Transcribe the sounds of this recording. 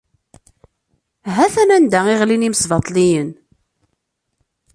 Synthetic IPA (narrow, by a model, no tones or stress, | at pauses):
ɦæθæmænd̪æiʁliniməsvɑt̪ˤːlijən